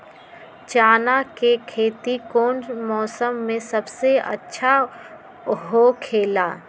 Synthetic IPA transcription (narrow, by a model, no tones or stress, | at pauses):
t͡ʃaːnakekʰeːt̪ikoːnmɔːsəmːẽsɐbseɐ̰tːʃʰa | ɦokʰeːlaː